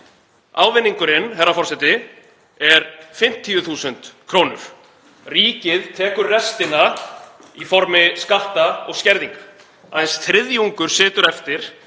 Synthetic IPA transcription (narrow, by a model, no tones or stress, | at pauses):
aːwvɪnːiŋkʏɾɪnɦɛrːafɔɾ̥sɛt̪ɪ | ɛɾfɪm̥t̪ʰːiʏθuːsʏnt̪kʰɾoːwnʏɾ̥ | riːcɪðt̪ʰɛːkʏɾrɛst̪ɪna | ifɔɾmɪskaht̪aɔɣscɛɾðiŋkḁ | aðɪnsθɾɪðjuŋkʏɾ̥sɪːt̪ʏɾɛft̪ɪɾ̥